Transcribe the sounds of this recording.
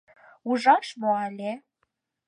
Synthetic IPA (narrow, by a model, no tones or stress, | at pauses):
uʒɑʃmoælʲe